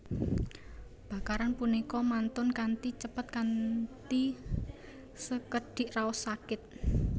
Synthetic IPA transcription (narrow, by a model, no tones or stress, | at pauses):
b̥ä̤kaɾanpunikɔmant̪ʊnkant̪it͡ʃəpat̪̚kant̪i | səkəɖ̥ɪ̤ʔraʊsakɪt̪̚